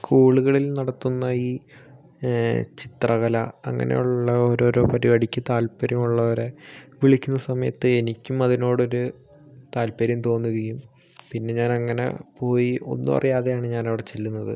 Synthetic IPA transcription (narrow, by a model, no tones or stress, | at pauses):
skuːɭuɣɐɭilnɐɽɐt̪ːunːɐiː | t͡ɕit̪rɐɣɐlɐɐ̰ŋːɐ̰nḛjuɭːɐoɾoːɾo̞ːpɐɾiʋɐɽikʲːɐt̪aːlpɐɾjɐmuɭːɐɐɾeʋiɭikʲːunːɐsɐmɐjɐ̰t̪ːɨenikʲːumɐðino̞ːɽoɾu | t̪aːlpɐɾjɐmt̪o̞ːnːuɣɐjum | pinːe̞ɲaːnɐŋːɐne̞̰po̞ːjio̞̰nːupɐ̰rʔɐjaːðe̞jaːɳɨɲaːnɐʋiɽe̞t͡ɕe̞lːunːɐðɨ̰